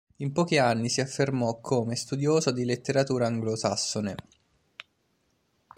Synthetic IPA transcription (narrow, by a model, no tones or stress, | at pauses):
impɔːk̟ianːisiafːermɔkʰːoːmest̪ud̪joːzod̪ilet̪ːeɾat̪uːɾaːŋɡlosasːone